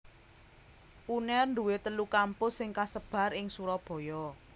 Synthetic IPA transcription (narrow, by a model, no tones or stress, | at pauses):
ʔunɛrnd̪uwet̪əlukampʊsɪŋkasəb̥a̤rɪŋsuɾɔb̥ɔ̤jɔ